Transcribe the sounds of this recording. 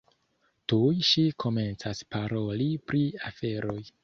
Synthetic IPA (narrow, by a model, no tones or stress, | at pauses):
tujʃikʰo̞me̞nt͡saspaɾo̞lipɾiafe̞ɾo̞j